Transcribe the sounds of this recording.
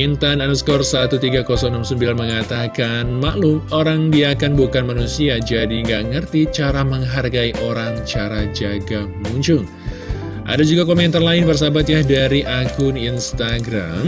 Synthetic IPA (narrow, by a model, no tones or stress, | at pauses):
int̪ananuskɔrsat̪ut̪iɡakɔsɔŋnɔmsəmbilnməŋat̪akanmaʔlumoɾaŋdiaːkanbukanmanusiad͡ʒadiŋɡaʔŋərt̪it͡ʃaɾaməŋɦarɡaiʔoɾaŋt͡ʃaɾad͡ʒaɡa | muɲt͡ʃʊŋ | ʔa̰dad͡ʒuɡakomɛnt̪arlaɪnbərs̬abat̪̬̚jahdaɾiʔakʊninst̪aɡɾa̰m